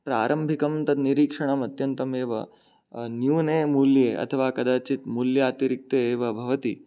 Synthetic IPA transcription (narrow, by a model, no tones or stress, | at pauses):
pɾa̰ːɾʔɐmbʱikɐmt̪ɐd̪niɾiːkʂɐɳɐmɐt̪jɐnt̪ɐmeːʋɐ̰ | njuːneːmuljeːʔɐ̰t̪ʰɐʋaːkɐd̪aːt͡ʃit̪muljɐaːt̪ɐɾik̚t̪eeːʋɐbʱɐʋɐt̪i